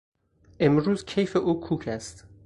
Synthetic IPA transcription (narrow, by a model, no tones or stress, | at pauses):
ʔe̞mɾuːzcʰejfeʔuːkʰuːcʰæst̪